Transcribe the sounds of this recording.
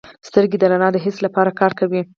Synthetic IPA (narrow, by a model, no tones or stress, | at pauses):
st̪əɾɡed̪əɾanɑd̪əɦɪslapɑɾakɑɾkawi